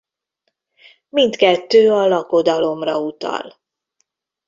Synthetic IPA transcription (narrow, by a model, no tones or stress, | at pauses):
mint̪kɛt̪ːøːɒlɒkod̪ɒlo̞mrɒut̪ɒ̰l